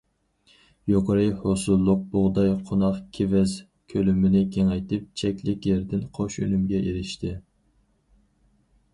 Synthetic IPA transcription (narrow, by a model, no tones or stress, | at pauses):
joqɾɨjhosulˠːʊq̚boʁd̪ɑjqʰonɑqkʲʰevɛz | kʲʰølymɪnɪkʲʰeŋɛjt̪ɪp̚t͡ʃʰɛkʲlɪkʲjɛɾd̪ɪnqʰoʃø̰nymɡʲɛʔeɾɪʃt̪ʰɪ